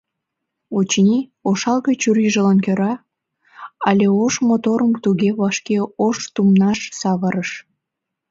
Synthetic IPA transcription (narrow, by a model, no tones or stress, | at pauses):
ot͡ɕnʲioʃɑlɣet͡ɕuɾiʒəlɑnkøɾɑ | ɑlʲeoʃmot̪oɾəmt̪uɣeβɑʃkeoʃt̪umnɑʃsɑβəɾəʃ